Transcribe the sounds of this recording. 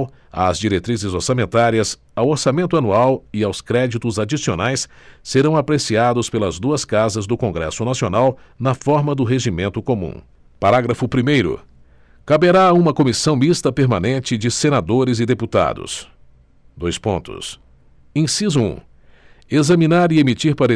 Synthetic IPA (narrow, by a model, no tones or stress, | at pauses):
w | ɐ̰zd͡ʒiɾet̪ɾizɪzoɾsamẽnt̪aɾiɐs | awoɾsamẽnt̪ʊanuawɪawskɾɛd͡ʒit̪ʊzad͡ʒisionajsːeɾɐ̃w̃apɾesiad̪ʊspelɐzd̪uɐskazɐzd̪ʊkõŋɡɾɛ̰sʊnasionaw | nɐfɔɾmɐd̪ʊɦeʒimẽnt̪ʊkomṵ̃ | paɾaɡɾɐfʊpɾimejɾʊ̰ | kabeɾaũmɐkomisɐ̃w̃mist̪ɐpeɾmanẽnt͡ʃɪd͡ʒɪsenad̪oɾɪzɪd̪eput̪a̰d̪ʊ̰s | d̪ojspõ̰nt̪ʊ̰s | ẽsizuṵ̃ | ezɐmĩnaɾɪemit͡ʃiɾpaɾ